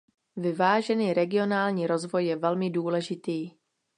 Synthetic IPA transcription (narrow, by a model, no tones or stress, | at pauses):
vɪvaːʒɛniːɾɛɡɪo̞naːlɲiːɾo̞zvo̞jːɛvɛlmɪduːlɛʒɪt̪iː